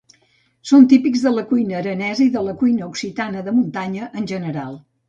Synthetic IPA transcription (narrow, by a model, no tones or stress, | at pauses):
sont̪ipikzðələkujnəːɾənɛzəiðələkujnəuksit̪anəðəmunt̪aɲəʔənʲʒənəɾa̰lˠ